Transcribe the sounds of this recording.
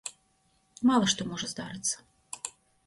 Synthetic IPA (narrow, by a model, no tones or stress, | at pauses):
mɑlˠəʃt̪omoʐəzd̪ɑɾɨt̪sə̥